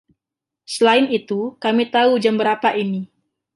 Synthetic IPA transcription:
səlaɪnit̪ukamit̪aud͡ʒambəɾapaʔini

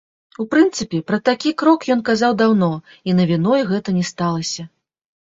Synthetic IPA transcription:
upɾɨnt̪sɨpʲɛpɾɐt̪akʲikɾɔkjɔnkazawd̪awnɔ | inɐvʲinɔjɣɛt̪ɐnʲɛst̪alˠɐsʲɐ

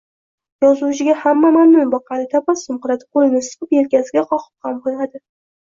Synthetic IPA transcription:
jɒzuwt͡ʃʰɪɡʲahamːamamnʊnbɒqʰɑnɪt̪ʰapasʊmqɨɾad̪ɪ̥qʰolˠɪnɪsɨ̥qɨpjelkʲasɪɡʲaqʰɒqʰɨ̥p̚hambolad̪ɪ

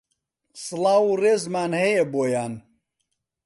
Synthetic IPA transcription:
sɨlaːwureːzmaːnhɐjɛboːjaːn

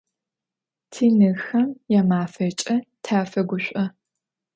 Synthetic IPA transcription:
tʰiːnɨxɐmjɛmaːfɐt͡ʃʼɐtʰaːfɐɡʷʊɕʷʼɐ

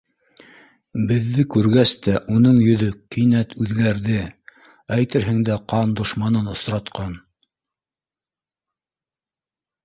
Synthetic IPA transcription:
bɘ̆ðːɘkʉɾɡæst̪æʔunɤɴjɵ̆ðɵkĭnæt̪ʰʉðɡæɾðɘ | æjt̪ɘɾɦɘ̆ŋd̪æqɑnd̪ŏʃmɑnɤnŏsɾɑt̪qɑn

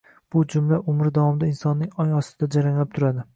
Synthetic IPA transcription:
b̥ʊd͡ʒʊmlaʔʊmɾɪd̪avɒmɪd̪aɪnsɒnːɪŋɒjɒst̪ɪd̪̥ad͡ʒaɾaŋlɪp̚t̪ʰʊɾad̪ɪ

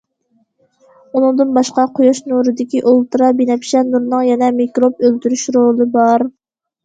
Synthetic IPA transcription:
unɨŋd̪ɨnbɑʃqɑqʰojɑʃnuɾɨd̪ɪkʲiʔolˠt̪ɨɾɑbinɛpʃɛnuɾnɨŋjɛnɛmikɾop̚ølt̪yɾyʃɾolˠɨbɑɾ

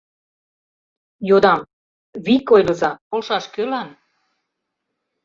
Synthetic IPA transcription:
jod̪ɑm | βikojlɤ̆zɑpolʃɑʃkølæn

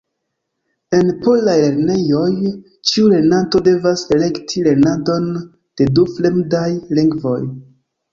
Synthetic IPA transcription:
e̞npo̞lajle̞ɾne̞jo̞j | t͡ʃiule̞nato̞de̞vasele̞ktʰile̞nado̞n | d̥e̞dufle̞mdajliŋɡvo̞̰j

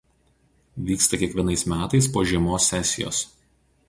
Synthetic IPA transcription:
ʋʲiːkst̪ɐkʲiɛkʋʲiɛnɐɪsmʲæːt̪ɐɪspoːʒʲiɛmoːsʲːɛsʲɪjo̰ːs

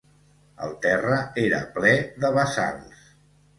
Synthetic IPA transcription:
ə̰lˠt̪ɛrəeɾə̰plɛðəβəsa̰ls

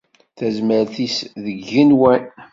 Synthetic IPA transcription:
θæzməɾθisðəɡːinwæn

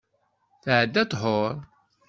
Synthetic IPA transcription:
θʕəd̪ːæt̪ˤɦoɾˤ

